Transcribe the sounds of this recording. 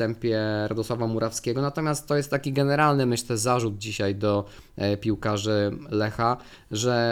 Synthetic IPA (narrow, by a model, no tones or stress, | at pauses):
ɛmpʲjɛɾad̪ɔswavamuɾʔafskʲɛɡɔnat̪ɔmʲjast̪tːɔjɛst̪ːakʲiɡɛnɛɾalnɘmɘɕt̪ɛzaʐud̪̚d͡ʑiɕajd̪ɔ | pʲiwkaʐɘlɛxa | ʐɛ